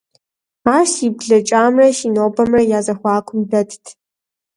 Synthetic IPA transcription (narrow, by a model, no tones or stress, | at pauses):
aːʃibɮɐt͡ʃʼaːmrɐʃinoːbɐmrɐjaːzɐxʷɑːkʷʰʼʊmbɐtʰtʰ